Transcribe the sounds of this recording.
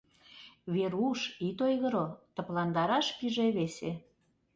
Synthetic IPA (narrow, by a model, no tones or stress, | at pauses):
βeɾuʃit̪ojɣə̆ɾot̪ə̆plɑnd̪ɑɾɑʃkiʒeβese